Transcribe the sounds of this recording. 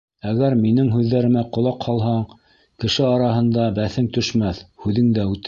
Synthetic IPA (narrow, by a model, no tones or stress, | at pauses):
æɣæɾminɘŋɦʉðːæɾɘ̆mæqŏlˠɑqhɑlˠɦɑɴ | kɘ̆ʃɘɑɾɑɦɤ̆nd̪ɑbæθɘŋt̪ɵ̆ʃmæθhʉðɘŋd̪æʉt̪